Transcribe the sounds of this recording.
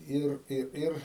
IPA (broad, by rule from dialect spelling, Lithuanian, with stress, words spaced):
ˈɪr ˈɪr ˈɪr